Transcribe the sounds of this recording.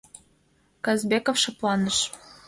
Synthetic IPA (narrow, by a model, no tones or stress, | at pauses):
kɑzbekofʃɤ̆plɑnɤ̆ʃ